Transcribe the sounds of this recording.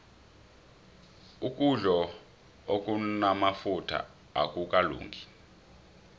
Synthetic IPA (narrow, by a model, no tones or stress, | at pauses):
ukʼuɮɔ | okʼunamafutʰa̰ | a̰k̬ʼukʼalṵːŋɡʱi